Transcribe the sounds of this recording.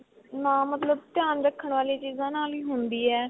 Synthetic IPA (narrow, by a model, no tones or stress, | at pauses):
nãːmət̪ləb̚t̪ɪjaːnɾəkʰːəɳʋaːliːt͡ʃiːzãːnaːliːɦʊnd̪iːɛː